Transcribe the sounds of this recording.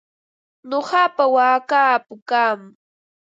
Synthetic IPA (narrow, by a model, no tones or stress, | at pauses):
ɲoɢɑpawaːkaːpʊkaːm